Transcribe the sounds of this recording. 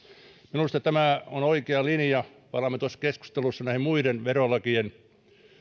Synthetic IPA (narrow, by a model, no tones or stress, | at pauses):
minust̪ɑt̪æmæˑonoikeɑlinjɑ | pɑnɑmːet̪uɑsːɑ̥kesku̥st̪elusːɑnæˑihimmuiɾenʋerolːɑkien